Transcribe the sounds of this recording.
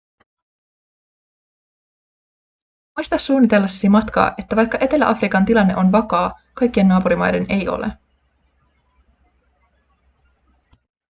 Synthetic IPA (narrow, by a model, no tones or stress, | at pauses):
mujst̪ɑsːuːnːit̪e̞lːɑsːi̥simɑt̪kɑ̰ːʔe̞t̪ːæʋɑjkːɑʔe̞t̪e̞lːæ̰ʔɑfrikɑnt̪ilɑnːe̞ʔo̞nʋɑkɑː | kɑjk̟ːie̞nːɑːpuɾimɑ̰jde̞ne̞jo̰lḛ